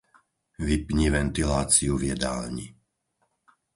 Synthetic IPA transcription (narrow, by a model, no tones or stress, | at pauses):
ʋipɲiʋɛnt̪ilaːt͡siuvjɛd̪a̰ːlɲḭ